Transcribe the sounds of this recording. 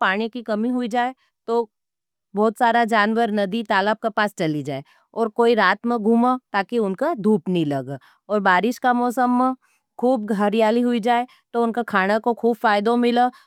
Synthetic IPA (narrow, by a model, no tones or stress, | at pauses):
paːɽ̃ikikɐmiɦʊid͡ʒaːe | t̪o | bɔːt̪saːɾad͡ʒaːnwəɾnɐd̪it̪aːləb̚kepaːst͡ʃɐlid͡ʒaːe | ɔːɾkoːiɾaːt̪mẽɡʱuːmat̪aːkiʊnkad̪ʱuːpnĩlɐɡ | ɔːɾbaːɾɪʃkamɔːsəmːẽ | kʰuːbɡʱɐɾijaːliɦʊid͡ʒaːe | t̪oʊnkakʰaːɽ̃akokʰuːbfaːjd̪õmɪla